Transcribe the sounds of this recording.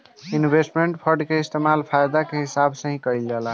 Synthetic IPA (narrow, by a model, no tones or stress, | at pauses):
inbʱesʈmeɳʈpʰəɾɖkeist̪emalpʰajd̪akeɦisabsə̃ɦĩkəild͡ʒela